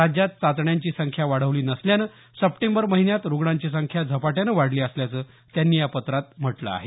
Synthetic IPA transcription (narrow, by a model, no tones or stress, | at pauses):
ɾad͡ʑjat̪̚t͡sat̪ɳjaɲt͡ɕiːsəŋkʰjaʋaɽ̤əʋliːnəsljanə | səpʈembəɾməɦinjat̪ɾuɡɽ̃aɲt͡ɕis̬əŋkʰjad͡zʱəpaʈjanəʋaɽliːəsljat͡səː | t̪janːiːjapət̪ɾat̪̚m̤əʈlə̰a̰ɦe